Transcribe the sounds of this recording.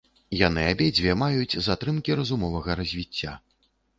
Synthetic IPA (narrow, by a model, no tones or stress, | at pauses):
janɨabʲed͡zʲvʲɛɐmajut͡sʲzat̪ɾɨmkʲiɾɐzumɔvɐɣɐɾɐzʲvʲit͡sʲːa